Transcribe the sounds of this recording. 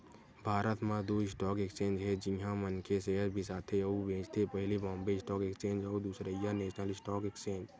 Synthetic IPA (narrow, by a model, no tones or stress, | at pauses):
bʱaːɾət̪mãd̪oːɪsʈɔːkekt͡ʃẽːnd͡ʒɦɛd͡ʒɪ̃ɦãmənkeseːɾbʱisaːt̪ʰeubẽːt͡ʃt̪ʰepɛɦlibɔ̃ːmbeɪsʈɔːkeːkst͡ʃẽːɲd͡ʒɔːɾd̪uːsɾəijaneːʃnəlɪsʈɔːkeːkt͡ʃẽːɲd͡ʒ